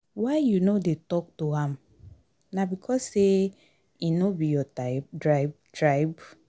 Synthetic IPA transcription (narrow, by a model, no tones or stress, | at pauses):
waɪjunodetɔk̚toɦãm | nabikʰɔsːe | inobijɔtadɹaɪbtɹaɪb